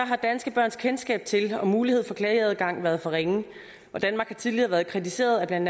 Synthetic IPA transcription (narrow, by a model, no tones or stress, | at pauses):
ɒɦɑ̈d̥ænsɡ̥əb̥ɶɐ̰nskʰensɡ̥ɛ̰ːb̥̚t͡sʰe̝lɒ̽muːlihe̝ð̞̰ˠfɒ̽kʰlɛeð̩ˠɡ̥ɑ̈ŋ̰ʋæɐð̩ˠfɒ̽ʁeŋə | ʋɒd̥ænmɑ̈ːɡ̥hɑ̈t͡sʰiðˠliɐ̰ʋæːɐð̞̩ˠkʰʁit͡sʰise̝̰ːɐð̞ˠæb̥lænd̥